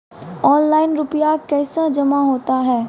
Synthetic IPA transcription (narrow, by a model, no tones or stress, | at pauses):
ɔːnlaːɪnɾʊpijakɛːsad͡ʒɐmaɦoːt̪aɦɛː